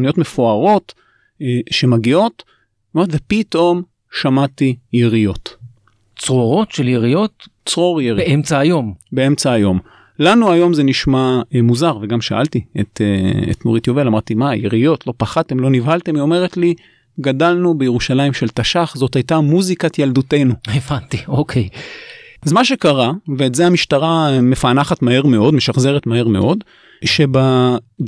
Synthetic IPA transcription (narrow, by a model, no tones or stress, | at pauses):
nijo̞tmefoaʁo̞t | ʃe̞maɡio̞t̪ | maʁtvepito̞m | ʃamatijeʁijo̞t̪ | t͡sʁoʁo̞t̪ʃeljeʁijot̪ | t͡sʁo̞ʁjebeʔemt͡saːjo̞mbeemt͡saːjo̞m | lanuajo̞mzeniʃmamuzaʁveɡamʃaʔa̰lt̪iḛt̪eḛt̪moʁit̪jovelamaʁt̪imajeʁijo̞tʰlo̞paχate̞mlo̞nivalt̪e̞mvio̞me̞ʁetli | ɡadalnubejeʁuʃalaimʃe̞lt̪aʃaχzo̞thajtamuzikatjaldute̞nuevant̪iokʰej | azmaʃe̞kaʁaveːtzehamiʃtaʁamefanaχatmaheʁme̞o̞d̪meʃaχze̞ʁetmahe̞ʁme̞ʔo̞d | ʃe̞ba